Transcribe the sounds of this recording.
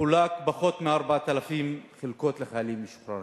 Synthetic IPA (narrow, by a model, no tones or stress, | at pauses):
ulakbaχo̞t̪meaɾbaat̪alafimχelko̞t̪leχajalimːiʃχa